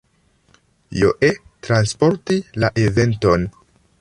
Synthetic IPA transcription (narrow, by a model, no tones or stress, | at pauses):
jo̰ʔetɾanspo̞ɾtilaʔeve̞nto̞n